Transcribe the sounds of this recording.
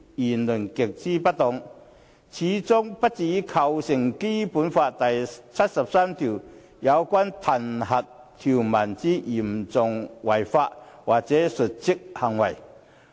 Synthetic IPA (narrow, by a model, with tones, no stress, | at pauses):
ji˨˩nlu˨˩ŋke˨˩k̚t͡si˥pa˦˥t̪ɔ˨˧˨ŋ | t͡ɕʰiː˨˦t͡sʊ˥ŋpa˦˥t̚t͡siː˨˦kʰɐ˧wsi˨˩ŋki˥pu˨˦˥nfa˧ʔt̪a˨˩jt͡sʰa˦˥t̚sɐ˨˩p̚sa˥mt̪ʰi˨˩w | ja˨˦wkwa˥nt̪ʰɐ˨˩nhɐ˨t̚t̪ʰi˨˩wma˨˩nt͡si˦˥ʔi˨˩mt͡sʊ˨˧ŋwɐ˨˩jfaː˧ʔwaː˨ʔt͡sɛː˨˦su˨˩t̚t͡si˥k̚ha˨˩ŋwɐ˨˩j